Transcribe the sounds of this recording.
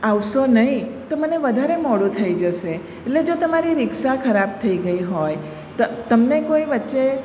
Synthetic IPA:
aʋʃonəɦĩt̪oməneʋəd̪ʱaɾemɔɽũt̪ʰəid͡ʒəʃe | etled͡ʒot̪əmaɾiɾɪkʃakʰəɾab̚t̪ʰəiɡəiɦoj | t̪t̪əmnekoiʋətːʃe

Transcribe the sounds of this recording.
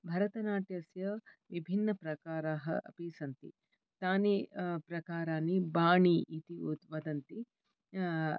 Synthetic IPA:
bʱɐɾɐt̪ɐnaːʈjɐsjɐʋibʱinːɐpɾɐkaːɾaːɦɐ̰ʔɐ̰piːsɐnt̪ḭ | t̪aːnipɾɐkaːɾaːnibaːɳiʔit̪iut̪ʋɐd̪ɐnt̪i

